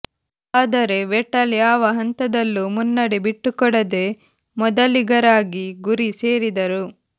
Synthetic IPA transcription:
aːd̪ɐɾe̞ʋɛʈːɐljaːʋɐɦɐnt̪ɐd̪ɐlːumunːɐɽebiʈːukɔɽɐd̪e̞ | mɔd̪ɐliɡɐɾaːɡiɡuɾise̞ːɾid̪ɐɾu

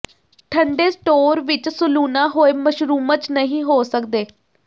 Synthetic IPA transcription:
ʈʰəɳɖeːsʈoːɾʋɪt͡ʃsʊluːnãːɦoːeːməʃɾuːmət͡ʃnəɦĩːɦoːsəkd̪eː

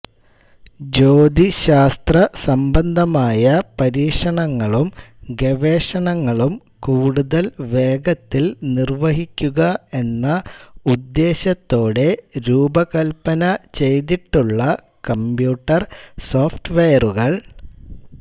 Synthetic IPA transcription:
d͡ʑo̞ːd̪iɕaːst̪rɐsɐmbɐnd̪ʱɐmaːjɐpɐɾiːʂɐɳɐŋːɐɭumɡeʋeːʂɐɳɐŋːɐɭum | kuːɽuðɐlʋe̞ːɡɐt̪ːilnirʋɐɦikʲːuɣɐe̞nːɐud̪ːe̞ːɕɐt̪ːo̞ːɽe̞ɾuːbɐkɐlpɐnɐt͡ɕe̞jt̪iʈːuɭːɐ | kɐmpjuːʈːɐrso̞ːfʈʋejɐruɣɐɭ

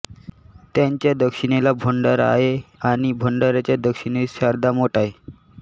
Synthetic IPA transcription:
t̪jaɲt͡ɕjad̪əkʂiɽelabʱəɳɖəɾa̰ɦeaɽ̃ibʱəɳɖəɾat͡ɕjad̪əkʂinisaɾd̪amoʈaɦe

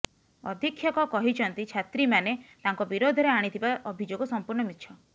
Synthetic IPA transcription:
ɔ̰d̪ʱikʰːjɔkɔkɔɦit͡ʃʰɔnt̪it͡ʃʰat̪ɾimanet̪aŋkɔbiɾod̪ʱɔɾeaɽ̃it̪ʰibaʔɔbʱid͡ʒoɡɔsɔmpuɾɳɔmit̪ːʃʰɔ

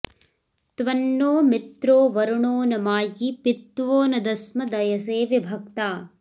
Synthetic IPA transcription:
t̪ʋɐnːoːmit̪ɾoːʋɐɾuɳoːnɐmaːɡipit̪ʋoːnɐd̪ɐsmɐd̪ɐjɐseːʋebʱɐkt̪aː

